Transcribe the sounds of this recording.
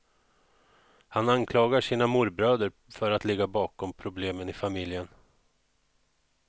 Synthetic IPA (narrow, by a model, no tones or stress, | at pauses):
hanankʰlɑːɡaʂiːnamuɾbɾœːd̪əɾ | fœɾat̪lɪɡːabɑːkɔmpʰɾʊbleːmənɪfamɪljən